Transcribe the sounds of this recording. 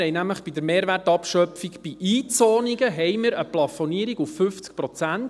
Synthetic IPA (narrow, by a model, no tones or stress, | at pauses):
ɛɪnæmləχb̥id̪əɾmeːɾʋærtɑpʃœpfiɡb̥iʔiːt͡sɔːniɡəɦɛjmɪɾəplɑfɔniəɾiɡufːʏft͡sk̚pɾɔt͡sænt